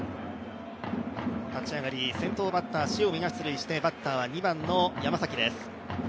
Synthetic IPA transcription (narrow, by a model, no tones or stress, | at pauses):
t̪at͡ɕiaɡaɾʲisẽ̞nt̪o̞ːbat̪ːaːɕiomʲiɡḁsɨɾɯ̟iɕi̥t̪e̞bat̪ːaːβ̞aɲ̟ibãnːo̞jamasakʲid̪esɨ̥